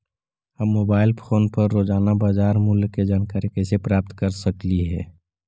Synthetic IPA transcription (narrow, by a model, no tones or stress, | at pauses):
həmːoːbaːɪlpʰoːnpəɾːoːd͡ʒaːnabaːd͡ʒaːɾmʊlked͡ʒaːnkaɾekɛːsepɾaːp̚t̪kəɾsəkliɦɛ̰ː